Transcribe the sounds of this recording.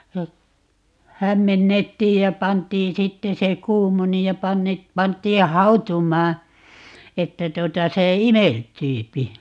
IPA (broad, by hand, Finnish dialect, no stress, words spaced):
jɑ hæmːenːetːiːj jɑ pɑntˑiːn sitːe se kuːmoni jɑ pɑnːe pɑntˑiː hɑu̞tumˑɑː etːæ tuotɑ se imeltyːpi